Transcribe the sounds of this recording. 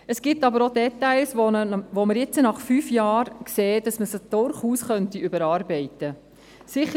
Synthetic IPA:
əsɡ̥ɪtːɑbəɾodɛtːæɪlsʋoməɾjɪt͡sənɑχfyːfjɑːɾkseːd̥ɑsməsəd̥ʊɾχuːsχœntiʏbəɾɑːɾbɛɪtə | sɪχə

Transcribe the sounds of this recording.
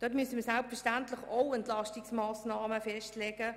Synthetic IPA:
d̥ɔtmysəmiːsalpfɛʃtæntlɪχoʊɛntlɑʃtɪksmaːsnɑːməfɛʃtlɛɡə

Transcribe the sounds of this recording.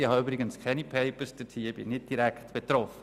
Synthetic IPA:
ihɑøbɾɪɡənskʰɛnipʰeɪpəɾsd̥ətʰiəb̥inɪt̚d̥iɾæktb̥et̪ɾɔfə

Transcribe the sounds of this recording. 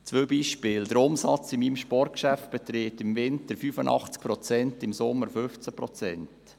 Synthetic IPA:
t͡sʋøːbiːʃpɪːld̪əɾʊmsɑt͡sɪmiːmʃpɔrt̚kʃæft̚b̥ɛt̪ɾeːtɪmvɪntəɾfyːfənʔɑ̰χt͡sk̚pɾɔt͡sɛntɪmsʊmːəɾfʏft͡səpɾɔt͡sɛnt

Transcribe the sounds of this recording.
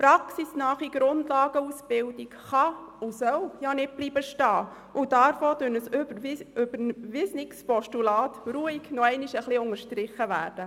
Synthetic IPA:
pɾɑksisnɑːχiɡ̥ɾʊndlɑːɡ̥əusb̥ɪldikχɑ | ʊsœljanɪt̚b̥liːbəʃtɑː | ʔʊd̥ɑɾfoːd̥ønəsøbʏbəɾnʋɪsnɪkspɔʃtulɑːtɾuːiɡnɔɛɪniʃəχliʊŋəɾʃtɾɪχːəʋæ̰ːɾd̥ə

